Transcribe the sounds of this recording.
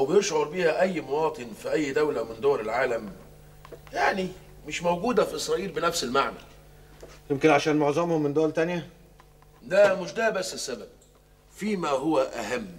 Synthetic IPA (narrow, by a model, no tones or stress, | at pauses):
ʔwbɪjeɾʃʕoɾbiːhæʔæjːmʊwɑːt̪ˤɨnfiʔæjːd̪æwlæmɪnd̪oːɾɪlʕaːlæm | jaʕni | mɪʃmowɡuːd̪æfiʔesˤɾˤɑːʔiːlbɪnæfsɪlmaʕmæ̰l | jemkɪnʕaʃæːnmoʕzˤɑmhʊmːɪnd̪oːlt̪ænjæ | d̪æmʊʃd̪æbæsːɪsːæbæb̚ | fiːmæɦowæʔæɦæmː